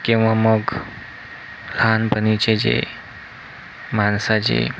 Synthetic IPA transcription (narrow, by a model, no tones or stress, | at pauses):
kĩw̃ʋaməɡ | lanbʱənit͡ɕed͡ʑḛ | mansad͡ʑḛ